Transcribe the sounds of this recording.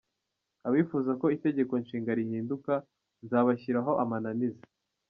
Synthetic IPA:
aβifuːzako̞ite̞ɟe̞ko̞nʃiːŋɡaɾihiːnduka | nzaːβaçiɾaɦo̞ʔamananiza

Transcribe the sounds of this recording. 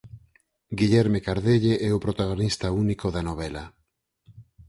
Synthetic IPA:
ɡiʎɛɾmekaɾðeʎeʔɛʊpɾot̪aɣ̞onist̪aunikoðanoβ̞ɛla

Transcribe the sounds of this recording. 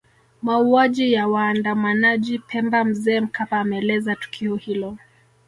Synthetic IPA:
mauaʄijawaːndamanaʄipʰɛmbam̩zɛːm̩kapaːmɛɛlɛzatu̥kʰiɔhilɔ

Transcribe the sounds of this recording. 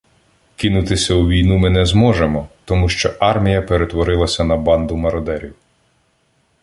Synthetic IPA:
kɪnʊt̪ɪsʲɐuʋʲijnumɪnɛzmɔʒemɔt̪ɔmuʃt͡ʃɔʔɑrmʲijɐpeɾet̪ʋɔɾɪlˠɐsʲɐnɐbɑnd̪ʊmɐɾɔd̪ɛɾʲiw

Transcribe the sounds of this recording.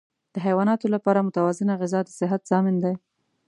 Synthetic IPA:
d̪̥əɦajwɑnɑt̪olapɑɾamʊt̪awɑzɪnaɣɪzɑd̪əsɪɦat̪z̥ɑmɪnd̪aj

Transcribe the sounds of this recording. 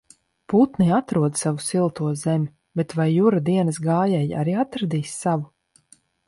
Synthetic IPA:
put̪niat̪ɾuɔd̪savusilˠt̪uɔzɛmʲi | bɛt̪vajːuɾad̪iɛnɐsɡaːjɛja̰ɾiːat̪ɾad̪iːsːavu

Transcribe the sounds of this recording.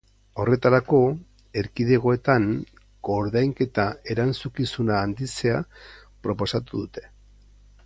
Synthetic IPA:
o̞re̞t̪aɾako̞ | e̞ɾkiðe̞ɣ̞o̞e̞t̪an | ɡ̥o̞ɾðajŋke̞t̪ae̞ɾant͡sukisunaːnd̪ise̞apɾo̞po̞sat̪uðut̪e̞̥

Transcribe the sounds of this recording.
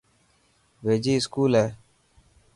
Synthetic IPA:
ʋeːd͡ʒiːɪskuːlɦɛː

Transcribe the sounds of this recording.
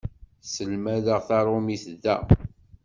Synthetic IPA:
səlmæðəʁθɑɾˤomiθðːæ̰

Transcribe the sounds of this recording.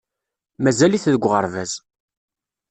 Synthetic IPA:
mæzæliθðəɡʷːʁə̰ɾˤvæz̥

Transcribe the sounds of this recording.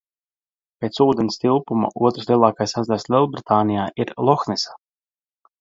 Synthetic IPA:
pʲeːt̪suːd̪enist̪ilˠpuma̰ʔuɔt̪ɾuslʲˠiɛlˠaːkajsazd̪aslʲˠilˠbɾit̪aːnijaːʔiɾlˠɔxnisḁ

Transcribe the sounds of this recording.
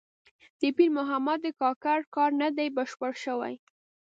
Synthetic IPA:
d̪̥əpilmʊɦamad̪̚d̪əkɑkaɽkɑɾnad̪ajbaʃpəɽʃəwa̰j

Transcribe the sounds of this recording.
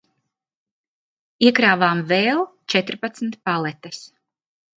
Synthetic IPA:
iɛkɾaːvaːmvɛːlˠt͡ʃɛt̪ɾpat̪sm̩t̪palˠɛt̪ɛs

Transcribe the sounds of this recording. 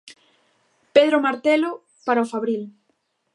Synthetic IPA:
peðɾomaɾt̪elo | paɾaofaβɾil

